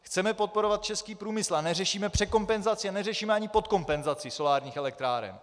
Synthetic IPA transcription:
xt͡sɛmɛpo̞t̪̚po̞ɾovat̪̚t͡ʃɛskiːpɾuːmɪslanɛrɛʃiːmɛpr̝̥ɛko̞mpɛnzat͡sɪanɛrɛʃiːmɛaɲɪpo̞t̪̚ko̞mpɛnzat͡sɪso̞laːɾɲiːxɛlɛk̚t̪ɾaːɾɛ̰n

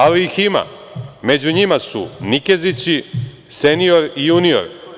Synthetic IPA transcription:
aliixima̰ | me̞d͡ʑuɲimasṵnikezit͡ɕi | senijo̞ɾijunio̰ɾ

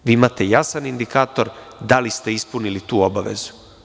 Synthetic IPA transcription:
ʋiːimat̪e̞jasanind̪ikaːt̪o̞ɾ | d̪alist̪e̞ispunilit̪uːo̞baʋe̞̰zu̥

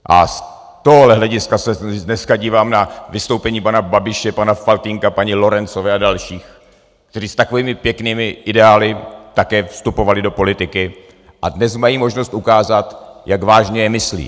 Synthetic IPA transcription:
ʔa̰s | t̪o̞ɦoɦlɛɦlɛɟɪskasɛdnɛskaɟiːvaːmnavɪst̪o̞wpɛɲiːpanababɪʃɛpanafalt̪ɪŋkapaɲɪlo̞ɾɛnt͡sovɛːadalʃiːx | kt̪ɛɾiːst̪ako̞viːmɪpjɛkniːmɪʔɪdɛaːlɪt̪akɛːfst̪upo̞valɪdo̞po̞lɪt̪ɪkɪ | ʔa̰dnɛsmajiːmo̞ʒnost̪ʔukaːzat̪jaɡvaːʒɲɛjɛmɪslḭː

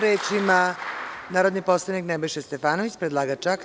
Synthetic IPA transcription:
ɾeːt͡ʃimanaːɾo̞d̪nipo̞slˠaʋniknɛbojʃest̪efaːnoʋit͡ɕpɾed̪lˠaːɡat͡ʂak

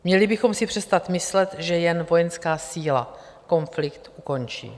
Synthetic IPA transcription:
mɲɛlɪbɪxo̞msɪpr̥ɛst̪at̪mɪslɛt̪ʒɛjɛnvo̞jɛnskaːsiːla | ko̞nflɪkt̪ʔuko̞nt͡ʃḭː

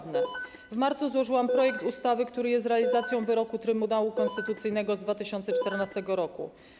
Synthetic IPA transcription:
vnɛ | vmaɾt̪suzwɔʐɘwampɾɔjɛk̚t̪ust̪avɘkt̪uɾɘjɛst̪ɾɛalʲizat̪sʲjɔ̃w̃vɘɾɔkut̪ɾɘmunawukɔ̃nst̪ɘt̪ut̪sɘjnɛɡɔzd̪vat̪ɘɕɔnt̪sɛt͡ʂt̪ɛɾnast̪ɛɡɔɾɔkṵ

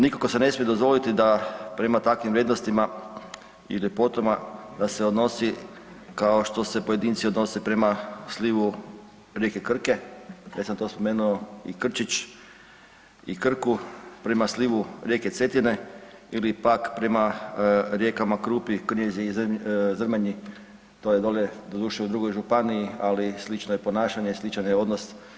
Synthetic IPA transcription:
nikokosene̞smijed̪ozʋo̞lit̪id̪apɾe̞mat̪akʋimʋɾjed̪nost̪ima | ḭlipo̞t̪omad̪ase̞od̪no̞si | kaoʃt̪o̞se̞poje̞d̪iːnt̪sio̞d̪no̞sepɾe̞masliʋu | ɾjekekr̩ke̞jesant̪o̞ːspo̞meːnuoḭkr̩t͡ʃit͡ʃ | ikr̩kupɾe̞masliʋuɾjeket̪sʋe̞t̪ine | ilipakpɾe̞ma | ɾjekamakɾuːpikrɲezizr̩maɲi | t̪ojed̪oʎed̪od̪uːʃeud̪ɾuɡo̞jʒupaniialislit͡ʃnojepo̞naːʃaɲeslit͡ʃanjeo̞d̪nos

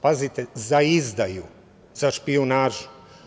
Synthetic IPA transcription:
pazit̪ezaizd̪aju | zaʃpionaːʒu̥

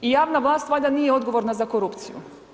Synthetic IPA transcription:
ijaːʋnaʋlˠaːst̪ʋlaːʎd̪aniːjeo̞d̪ɡo̞ʋo̞ɾnazakoɾupt̪sijṵ

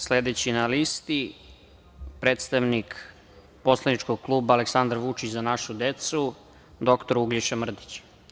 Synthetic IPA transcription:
sled̪et͡ɕinalist̪i | pɾeːt̪st̪aʋnik | po̞slˠanit͡ʃkoɡ̚klˠuːbaːleksand̪ɾʋut͡ʃit͡ɕzanaʃud̪et̪su | d̪o̞kt̪oɾuɡʎeʃamr̩d̪it͡ɕ

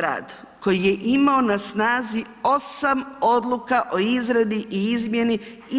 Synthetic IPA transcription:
ɾa̰ːd̪ | ko̞jije̞ʔimaonasnaːzi | o̞samo̞d̪lˠukaʔo̞izɾed̪iʔiizmje̞ni

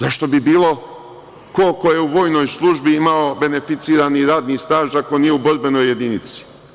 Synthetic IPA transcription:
zaʃt̪o̞bibiːlo̞ | ko̞koje̞uʋo̞ːjno̞jslˠuʒbiimao̞be̞ne̞fit̪siːɾaːniɾaːd̪nist̪aːʒakonijeuboɾbe̞no̞je̞d̪init̪si̥

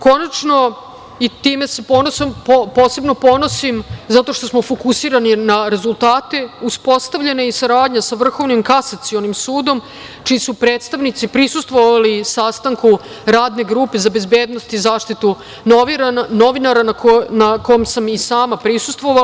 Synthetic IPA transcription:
ko̞nat͡ʃno̞ | it̪iːme̞se̞ponosompopo̞ːse̞bno̞po̞no̞simzat̪o̞ʃt̪o̞smo̞fo̞kusiːɾaninaɾe̞zulˠt̪aːt̪e̞uspo̞st̪aʋʎenaisaɾaːd̪ɲasaʋr̩xo̞ʋnimkasat̪sio̞nimsuːd̪o̞m | t͡ʃijisupɾe̞ːt̪st̪aʋnit̪sipɾisust̪ʋo̞ʋalisast̪aŋku | ɾaːd̪ne̞ɡɾuːpe̞zabe̞zbe̞ːd̪no̞st̪izaːʂt̪it̪u | noʋiɾano̞ʋinaɾanaknako̞jomsamisaːmapɾisu̥st̪ʋo̞ʋa

